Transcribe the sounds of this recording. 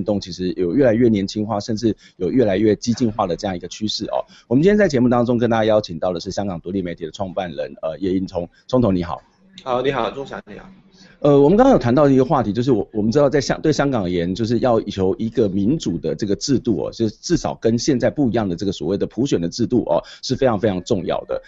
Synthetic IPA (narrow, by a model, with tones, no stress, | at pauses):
nt̪ʊ˥˩ŋt͡ɕʰi˧˥ʂɻ̩˧˥jo˨˩ʊɥɛ˥˩la˧˥ɪɥɛ˥˩njɛ˧˥nt͡ɕʰi˥nxwa˥˧ʂə˥˧nʈ͡ʂɻ̩˥˩ | jo˨˩ʊɥɛ˥˩la˧˥ɪɥɛ˥˩t͡ɕi˥t͡ɕi˥˧nxwa˥˩d̪ə˩ʈ͡ʂɤ˥˧jɑ˥˩ŋi˧˦ɡə˧t͡ɕʰy˥ʂɻ̩˥˩ʔɐ̰˨˩ | wɔ˨˩mənt͡ɕi˥njɛ˥t͡sa˥˩ɪt͡ɕjmu˥˩t̪ɑ˥ŋʈ͡ʂʊ˥ŋkə˥nt̪a˥t͡ɕja˥jɑ˥ʊt͡ɕʰi˨˩ŋt̪ɑ˥˩də˩ʂɻ̩˥˩ɕjɑ˥ŋkɑ˨˩ŋt̪u˧˥li˥˩me˧˥ɪt̪ʰi˨d̪ə˦ʈ͡ʂʰwɑ˥˧ŋpa˥˩nɻə̰˧˦nə˧jɛ˧˩i˥˩nt͡sʰʊ˥ŋt͡sʰʊ˥ŋt̪ʰʊ˧˥ŋni˧˥xɑ̰˨˩ʊ | hɑ˨˦ʊni˨˥xɑ˨˩ʊʈ͡ʂʰʊ˥ŋɕɑ˧˦ni˨˥˨ | ə˧wɔ˨mə˨˦kŋɑ˥ŋjt̪ʰnt̪ɑ˥˩ʊə˩˧i˧˥ɡə˧xwa˥˩t̪ʰi˧˥t͡ɕjo˥˧ʊʂɻ̩˥˩wɔ˨˩wɔ˨˩mə˦nʈ͡ʂɻ̩˥t̪ɑ˥˧ʊt͡sa˥˩ɪɕjɑ̰˥˧t̪we˥˩ɪɕjɑ˥ŋkɑ˨˩ŋ˩jɛ˧˦nt͡ɕjo˥˧ʊʂ̬ɻ̩˥˧jɑ˥˩ʊ˨˩t͡ɕʰjo˧˥ʊʔi˧˥ɡə˨mi˧˥nʈ͡ʂu˨˩d̪ə˦ʈ͡ʂɤ˥˩ɡə˩ʈ͡ʂɻ̩˥˧t̪u˥˩ɐ̰˨˩t͡ɕo˥˧˥ʈ͡ʂɻ̩˥˩ʂɑ˨˩ʊkə˦nɕjɛ˥˧nt͡sa˥˧ɪpu˥˩i˧˥jɑ˥˩ŋd̪ə˩ʈ͡ʂɤ˥˩ɡə˩swɔ˨˩we˥˩ɪd̪ə˩pʰu˧˥ɕɥɛ˨˩nd̪ə˩ʈ͡ʂɻ̩˥˧t̪u˥˨˩ʔɐ̰˩ʂɻ̩˥˩fe˥ɪʈ͡ʂʰɑ˧˥ŋfe˥ɪɑ˧˥ŋʈ͡ʂʊ˥˧ŋjɑ̰˥˩ʊd̪ə̰˩